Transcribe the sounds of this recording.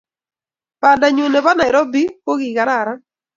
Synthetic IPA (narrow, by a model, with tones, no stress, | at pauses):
pa˨nda˨ɲu˨ne˨ba˦na˨ɾɔ˦bi˦po˦ɡi˨ka˨ɾa˨ɾa˦